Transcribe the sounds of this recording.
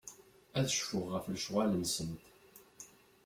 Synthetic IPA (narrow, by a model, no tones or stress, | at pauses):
æðəʃfʊʁːəflʃʁalənsənt̪